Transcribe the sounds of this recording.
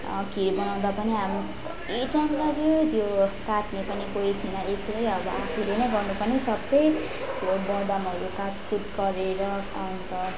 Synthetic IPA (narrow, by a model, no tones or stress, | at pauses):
kiɾbʌnaw̃d̪apʌniɦam | iʈʌnlʌɡjot̪jokat̪mepʌnikoit̪ʰinʌek̚t̪mʌjʌbʌakʰulenʌjɡʌrnupʌnisʌbʌj | t̪jobʌd̪amʌɾukat̪pʰut̪ɡʌɾeɾʌ | ʌnt̪ʌ